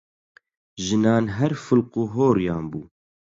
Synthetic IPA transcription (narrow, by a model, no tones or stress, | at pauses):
ʒɨnɑːnɦɛɾfɨlquːɦoːɾjɑːnbuː